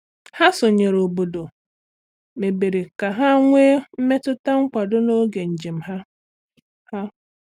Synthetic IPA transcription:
ha˦so˨ɲe˨ɾo˨bo˨do˨ | me˨be˨ɾe˨ka˨ɦa˦ŋʷeː˦m̩˦me˦tʊ˦ta˦ŋ͡m̩˦k͡pʷa˨dʊ˦no˦ɡe˨n̩˨d͡ʒi˨m̩˨ɦa˦ | ha˦

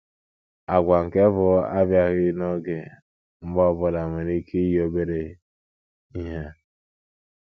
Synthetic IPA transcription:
a˨ɡʷa˨ŋ̩˨ke˦vʊ˨˦a˦bja˦ɣɪ˦nɔ˦ɡɪ˨ | m̩˦ɡ͡bɔ˦˨bʊ˦la˨mʷe˨ɾi˦kʰi˦i˦ji˦o˦be˦ɾe˨˦ | i˦ɦe˦

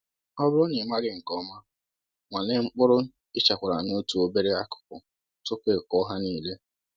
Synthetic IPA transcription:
ɔ˦bʊ˦ɾʊ˦nɪ˨ma˦ɡɪ˦ŋ̩˨kɔ˦ma˦ | ŋʷa˨ne˨ŋ͡m̩˦k͡pʊ˦ɾʊ˦ | ɪ˦t͡ʃa˨kʷa˨ɾa˨no˦tu˨˦o˦be˦ɾe˦a˦kʊ̥˨kʊ˨ | tʊ˦kʷe˨kɔ˦ɦa˦niː˦˨le˦

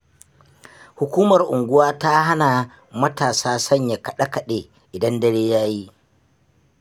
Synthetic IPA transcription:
hʊ˨kʷuː˦mɐ˨rʔʊ˨ŋɡʷʊ˦waː˦ta˦ɦa˦na˨ | mɐ˦taː˨saː˦sɐ˦ɲja˨kɐ˨ɗa˦kɐ˨ɗe˨ | ʔɪ˨dɐ˦ndɐ˦ɽeː˦jaː˦ji˦

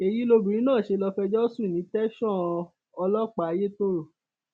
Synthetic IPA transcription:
e˨ji˨˦lo˧bũ˨ɾĩ˨˦nãː˦˨ʃe˧lɔ˧fɛ˧d͡ʒɔ˦sũ˦˨nĩ˨˦tɛ˦ʃɔ̃˦˨˧ | ɔ˧lɔ˦k͡pa˨˧˦je˦to˦ɾo˦˨

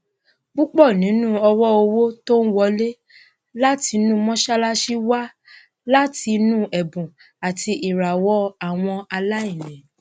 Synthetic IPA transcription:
k͡pu˦k͡pɔ˦˨nĩ˨˦nũ˦ɔ˧wɔ˦o˧wo˦to˦n̩˦wɔ˧˦le˦ | la˦ti˧˦nũ˦mɔ̃˦ʃa˦la˦ʃi˦wa˦ | la˦ti˧nũ˦ʔɛ˨bũ˨ | a˨tʰi˧ʔi˨ɾa˨wɔ˦a˨w̃ɔ̃˧a˧la˦ĩ˦˨nɛ̃˨

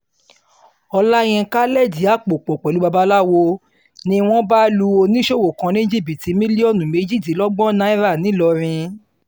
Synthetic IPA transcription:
ɔ˧la˦j̃ɛ̃˧ka˦lɛ˦˨di˨˦a˦˨k͡po˨k͡po˨k͡pɛ˨lu˨˦ba˧ba˦˧˦la˦wo˧ | nĩ˧w̃ɔ̃˦ba˦lu˧˦o˧nĩ˦ʃo˦˨wo˨kã˨˧nĩ˦d͡ʒi˦˨bi˨ti˨˧˦mĩ˦li˦ɔ˦˨nũ˨me˨˧˦d͡ʒi˦˨ti˨˦lɔ˦ɡ͡bɔ˦nã˦i˦ɾa˦˨nĩ˨˦lɔ˧ɾ̃ĩ˧

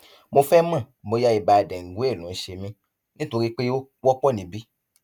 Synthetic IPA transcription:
mo˧fɛ˦mã˦˨mo˧˦ja˦i˨ba˨˧˨dɛ˨ŋ̩˨ɡu˨˦e˦˨lũ˨˦ʃe˧mĩ˧ | nĩ˦to˧ɾi˦k͡pe˦o˦wɔ˦k͡pɔ˦˨nĩ˨˦bi˦

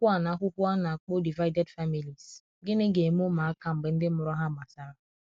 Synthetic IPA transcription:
kʷu˦a˦˨na˨˦ɦʷʊ˦ku˦a˦na˨k͡po˦di˨va˦jde˦dfa˦mi˨li˨s | ɡɪ˦nɪ˦ɡe˨m˦o˦ma˨a˦ka˨m̩˨bɪ˨n̩˦dɪ˦mʊ˦ɾɔ˦ɦa˦ma˨sa˦ɾa˨

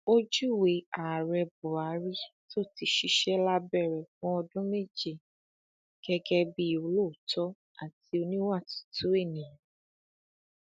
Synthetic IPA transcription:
o˦d͡ʒu˦˨we˧a˨ɾɛ˧bɔ˨a˨˦ɾi˦to˦˨ti˧˦ʃi˧ʃɛ˦la˦bɛ˦˨ɾɛ˨fɔ̃˦ɔ˧dũ˦me˦˨d͡ʒe˦˨ | ɡ̥ɛ˧ɡɛ˦bi˦o˧lo˦˨tʰɔ˨˦ | a̰˦˨ti˧˦o˧nĩ˦wa˦˨tu̥˨tu˦e˦˨nĩ˨ã˨

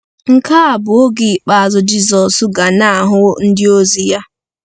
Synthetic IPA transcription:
ŋ̩˦ka˦a˨bu˨˦o˦ɡi˨k͡pa˨zɔ˨d͡ʒi˦zɔ˨su˦ɡa˨na˦˨ɦʊ˦n̩˦di˦o˦zi˦ja˦

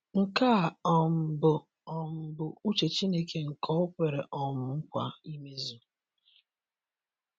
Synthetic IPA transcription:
ŋ̩˨ka˦˨ɔ˨m̩˨bʊ˨ | ɔ˨m̩˨bʊ˨u˦t͡ʃe˨t͡ʃi˦ne˦ke˦ŋ̩˨kʰɔ˦ʊ˦pʷe˨ɾe˨ʔɔ˨mʊ˨m̩˦kʷa̰˨i˦me˦zu˦

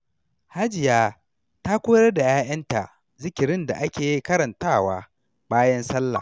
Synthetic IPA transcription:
ha˦d͡ʒɪ˨jaː˦ | ta˦kʷoː˦jɐ˦rda˨jaː˦ʔɐ˦nta̰˨ʔ | zɪ˦kʲɪ˨ɾɪ˦nda̰˨ʔa˦kʲeː˨ji˦kɐ˦ɾɐ˨ntaː˦˨waː˦ | baː˦jɐ˦nsɐ˦lːa̰˨

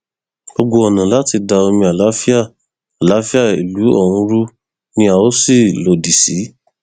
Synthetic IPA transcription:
o˧ɡ͡bo˧ɔ˨nã˨la˨˦ti˧da˧o˧mĩ˧a˨la˨˦fi˦a˦˨ | a˨la˨˦fi˦a˦˨i˨lu˨˦ɔ̰˦˨hũ˧ɾu˦ | nĩ˦a˨o˦si˦˨lo˨di˨si˨˦

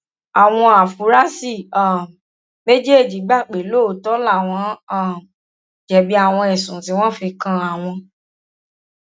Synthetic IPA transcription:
a˨w̃ɔ̃˧a˨fu˨˦ɾa˦si˦˨a˨ | me˦d͡ʒe˦e˦˨d͡ʒi˨˦ɡ͡ba˦˨k͡pe˨lo˦˨˦tɔ˦la˦˨w̃ɔ̃˨˦ã˦˨ | d͡ʒɛ˨bi˦a˦˨w̃ɔ̃˧ɛ˨sũ˨si˨˦w̃ɔ̃˦fi˧kã˦a˨w̃ɔ̃˧

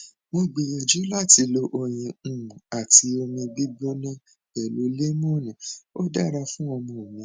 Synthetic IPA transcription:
mo˧ɡ͡be˨jɔ˨d͡ʒi˨˦la˦˨ti˧˦lo˧˦ʔo˦˨j̃ĩ˧˦˨ũ˨a˨ti˧˦o˧mĩ˧ɡ͡bi˦ɡ͡bo˦nã˦ | bɛ˨lo˨˦le˦mũ˦˨nã˨o˦da˦˨ɾa˧fũ˦ɔ˧mɔ̃˨mĩ˨˦

